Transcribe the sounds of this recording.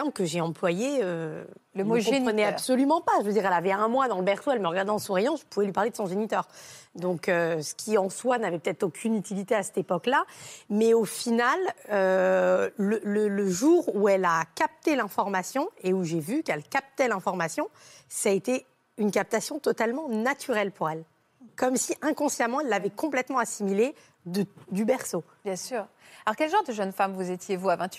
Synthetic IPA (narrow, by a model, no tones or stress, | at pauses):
kəʒeɑ̃plwajeø | kɔ̃p̪χənɛabsɔlymɑ̃paʒəvəd̪iʁɛlavɛɛ̃mwad̪ɑ̃ləbɛʁsoɛlməʁəɡaʁd̪ẽɑ̃suʁijɑ̃ʒəpuvɛlɥipaʁled̪əsɔ̃ʒenit̪œːʁd̪ɔ̃køsə̥kʲiɑ̃swanavɛpə̥t̪ɛt̪χokʲʰynyt̪ilit̪easɛ̥t̪epɔklamɛofinaløː | ələləʒuʁuɛlakap̚t̪elɛ̃fɔʁmasjɔ̃euʒevykɛlkap̚t̪ɛlɛ̃fɔʁmasjɔ̃saet̪e | ynkap̚t̪asjɔ̃t̪ɔt̪almɑ̃nat̪ʰyʁɛlpʰuʁɛl | kɔmsiʔɛ̃kɔ̃sjamɑ̃ɛlːavɛkɔ̃plɛt̪mɑ̃asimile | d̪əd̪ybɛʁso | bjɛ̃syːʁ | alɔʁkʲɛlʒɑ̃ʁd̪əʒənfamvuzet̪jevuavɛ̃t̪